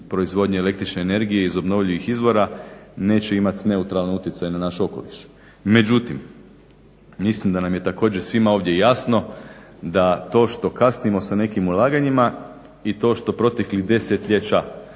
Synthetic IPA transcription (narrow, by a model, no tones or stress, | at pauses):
pɾo̞izʋo̞d̪ɲeele̞k̚t̪ɾit͡ʃne̞ːne̞ɾɡijeizo̞bno̞ʋʎiʋixizʋo̞ɾane̞ːt͡ɕe̞imat̪ne̞ut̪ɾalnout̪jet̪sajenanaʃuo̞ko̞̰liʃ | me̞d͡ʒut̪im | mislimd̪anamje̞t̪ako̞ːd͡ʒesʋimao̞ʋd̪je̞jasno̞ | d̪at̪o̞ːʃt̪o̞kasnimo̞sane̞kimulˠaːɡaɲima | it̪o̞ːʃt̪o̞pɾo̞t̪e̞klid̪e̞set̪ʎʲe̞t͡ʃa